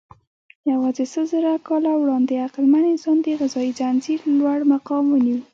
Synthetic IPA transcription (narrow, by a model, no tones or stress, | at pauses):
jawɑzesəzəɾakɑlawɽɑnd̪eaqɪlmanezɑnd̪eɣɪzɑid͡ʒanziɾlwaɽmaqɑmwəniw